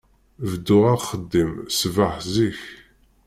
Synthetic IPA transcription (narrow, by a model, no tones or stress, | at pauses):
vəd̪ːʊʁaχəd̪ːimsvaħziç